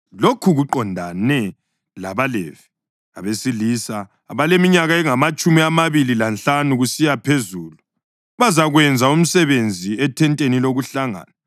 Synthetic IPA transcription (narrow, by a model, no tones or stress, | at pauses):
lokʰuɣuǃɔndʱanɛ | la̰βalḛvi̥ | a̰βesilisaː | βalemiɲaɣaɛŋamat͡ʃʼumiamaβililanɬanuɣusijapʰezuːlu | βazaɣwɛnd͡zʱaum̩sɛβend͡zʱiɛtʰɛntʼeniloɣuɬaŋa̰ːna